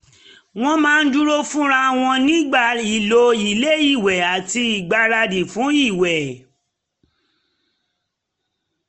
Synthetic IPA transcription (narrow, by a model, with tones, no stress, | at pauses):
w̃ɔ̃˦mãː˦n̩˦d͡ʒu˦ɾo˦fũ˦ɾa˦w̃ɔ̃˧nĩ˦ɡ͡ba˦˨i˨lo˧i˨le˦i˦˨wɛ˨a˨ti˧i˨ɡ͡ba˧ɾa˧di˨fũ˨˦i˦˨wɛ˨